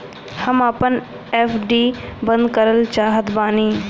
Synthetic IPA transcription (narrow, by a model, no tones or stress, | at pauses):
hɐmapən | eːfɖiːbə̃nd̪kəɾəlt͡ʃaːɦət̪baːniː